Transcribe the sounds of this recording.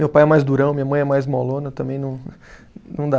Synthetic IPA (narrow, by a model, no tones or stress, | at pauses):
mewpajɛmajzd̪uɾɐ̃w̃mĩɐmɐ̃j̃ɛmajzmolõnɐt̪ɐ̃mbẽj̃nɐ̃w̃ | nɐ̃w̃d̪a